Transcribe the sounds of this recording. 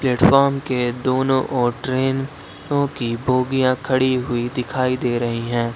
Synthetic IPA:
plɛːʈfɔːɾmked̪oːnõʔɔːʈɾeːn | õkibʱoːɡijãkʰɐɽiɦʊid̪ɪkʰaːid̪eːɾɐɦiɦɛ̃ː

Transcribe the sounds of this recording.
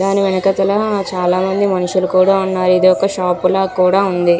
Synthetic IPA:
d̪aːniʋɛnɐkɐt̪ɐlɐt͡ʃaːlaːmɐnd̪imɐnuʂulukuːɽaːunːaːɾuid̪iɔkːɐʃaːpːulaːkuːɽaːund̪i

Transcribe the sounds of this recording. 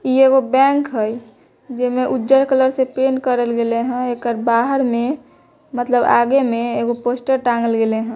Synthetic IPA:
ieɡobɛ̃ːŋkɦɛj | d͡ʒemẽʔudd͡ʒəɾkələɾsepeːnkəɾəlɡeleɦɛ̃ekəɾbaːɦəɾmẽ | mət̪ləba̰ːɡemẽeɡoposʈəɾʈãːŋɡəlɡeleɦɛ̃

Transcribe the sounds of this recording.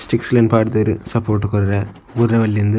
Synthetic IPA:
sʈɪkslɐnpaːɽɯt̪ɐɾɯ̰sɐpːoːɾʈːɯkɔɾɪɾɐ | ʊɾɐʋɐlːɪnd̪ɯ

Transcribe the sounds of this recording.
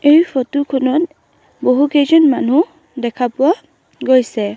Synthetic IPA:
ejpʰɔtukʰɔnɔt̚ | boɦukejzɔnmanu | dɛkʰapʊwa | ɡojsɛ

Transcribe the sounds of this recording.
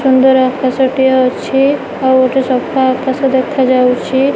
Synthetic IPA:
ʃund̪ɔɾakʰasɔʈijat͡ʃʰi | awoʈesɔbkʰaakʰːasɔd̪ɛkʰad͡ʒawt͡ʃʰi

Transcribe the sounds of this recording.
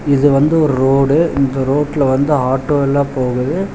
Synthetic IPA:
ɪðɯʋɐnd̪ɯɔɾɯɾoːɽɯɪnd̪ɐɾoːʈːlɐʋɐnd̪ɯɦaːʈːoːɛlːãːpoːɣɯðɯ

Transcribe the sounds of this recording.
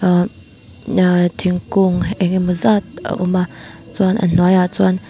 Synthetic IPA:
t̪ʰiŋkuŋʔɛŋimuzat̪̚a̰ʔṵmat͡sanʔə̰n̥wajat͡swan

